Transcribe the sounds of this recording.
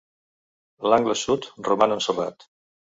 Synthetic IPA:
laŋɡləsut̪rumanənsəra̰t̪

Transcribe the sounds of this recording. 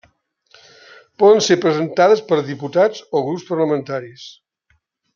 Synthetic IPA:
pɔðənsepɾəzənt̪aðəspəɾðiput̪ad͡zoɣɾupspəɾləmənt̪aɾis

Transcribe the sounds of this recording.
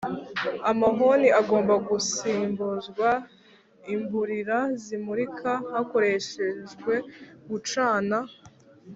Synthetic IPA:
amaɦo̞niʔaɡo̞ːmbaɡusiːmbuzɡwa | imbuɾiɾazimuɾikʰahako̞ɾe̞ʃe̞ʒɡwe̞ɡut͡ʃaːna

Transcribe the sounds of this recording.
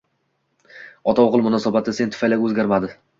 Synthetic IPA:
ɒt̪ʰawʁɨlˠmʊnɒsabat̪ʰɪse̞nt̪ʰʊfajlaɡʲɵzɡʲaɾmad̪ɪ

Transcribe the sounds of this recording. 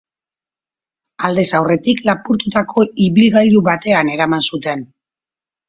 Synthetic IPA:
ald̪e̞sawre̞t̪iklapuɾt̪ut̪akʰo̞iβilɣajɾuβat̪e̞ane̞ɾamansut̪e̞n

